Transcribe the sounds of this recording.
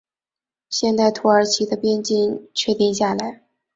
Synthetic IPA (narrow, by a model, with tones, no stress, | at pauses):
ɕjɛ˥˧nt̪a˥˩ɪt̪ʰu˧˥ə˞˧˥t͡ɕʰi˧˥d̪ə˧pjɛ˥nt͡ɕi˥˧ŋt͡ɕʰɥɛ˥˧t̪i˥˧ŋɕja˥˩la˧˥ɪ